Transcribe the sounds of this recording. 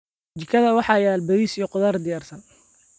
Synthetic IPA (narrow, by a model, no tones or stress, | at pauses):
t͡ʃɪkʰɐðɐwɑħɑːjaːlbɐðiːsijɔqʊðard̪ɪjaːrsɐn